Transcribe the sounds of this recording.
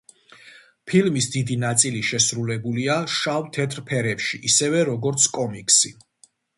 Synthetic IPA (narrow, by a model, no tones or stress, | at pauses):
pʰilmisd̪id̪inat̪sʼiliʃɛsɾulɛbuliaʃavt̪ʰɛt̪ʰʼɾpʰɛɾɛpʃiʔisɛvɛɾɔɡɔɾt̪sʰkʼɔmikʼsi